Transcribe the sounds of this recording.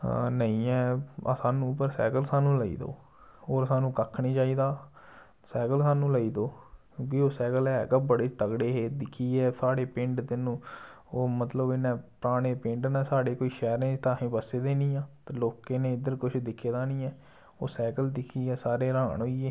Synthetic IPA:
nəĩːɛːsaːnũːp̬əɾsɛ̰ːkəlsaːnũːləḭːd̪o̰ː | ɦoːɾsaːnũːkəkʰniːt͡ʃaːiːd̪aː | sɛːkəlsaːnũːləiːd̪oːkjõːkiːoːsɛːkəlɛːkəbəɽeːt̪əɡɽeːɦeːd̪ɪkʰːiːɛːsaːɽeːpɪ̃ɳɖt̪ɪnũː | oːmət̪ləbɪnɛ̃ːpəɾaːɽ̃eːpɪɳɖnɛːsaːɽeːkoːiːʃɛːɾnẽːt̪ãːɦẽːpəseːd̪eːniːjãːt̪aːloːkẽːneːɪd̪əɾkʊt͡ʃʰd̪ɪkʰːeːd̪aːnĩːɛː | oːsɛːkəld̪ɪkʰiːɛːsaːɾeːɾãːɳɦoːieː

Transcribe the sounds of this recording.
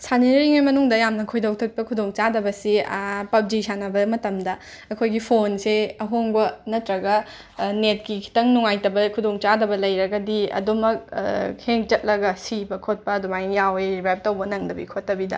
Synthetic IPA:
sʰaniɾɾiŋajmɐnuŋdɐjamnɐkʰojdɐwtʰɐk̚pɐkʰudoŋt͡ʃadɐbɐsipɐp̚d͡ʒisʰanɐbɐmɐtɐmdɐ | ɐkʰojɡipʰonseɐɦoŋbɐnɐtɾɐɡɐ | net̚kikʰi̥tɐŋnuŋajtɐbɐkʰudoŋt͡ʃadɐbɐlɐjɾɐɡɐdiɐ̰dumɐk̚heŋt͡ʃɐt̚lɐɡɐsibɐkʰot̚pɐdumajjaweɾibajp̚tɐwbɐnɐŋdɐbḭkʰotːɐbidɐ̰

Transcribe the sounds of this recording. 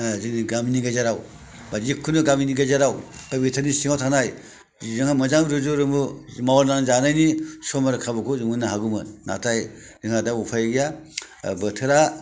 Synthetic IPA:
zɯniɡaminiɡazaɾaw | bad͡ʒikʰːunɯɡaminiɡazaɾaw | kabitʰɯɾnisiŋawtʰanaj | zɯŋamɐzaŋɾuzuɾɯmumawaɾnaŋzanajnisɔmaɾkʰabɯkʰuzɯmɯnaɦaɡumɯnna̰tʰaj | zɯŋadaupʰajɡijabɯtʰɯɾa

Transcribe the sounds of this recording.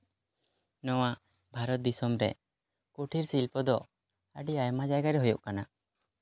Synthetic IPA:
nɔwaʔ | bʱaɾɔt̪̚d̪isɔmɾɛ | kuʈʰiɾsilpɔd̪ɔ | əɖiajmad͡ʒajɡaɾɛɦujuʔkana

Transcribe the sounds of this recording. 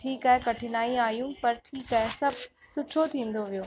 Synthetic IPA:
ʈʰiːkaːɦekɐʈʰɪnaːiaːijũpɐɾʈʰiːkaːɦesɐbʱsʊʈʰot̪ʰĩːn̆d̪oʋijoː

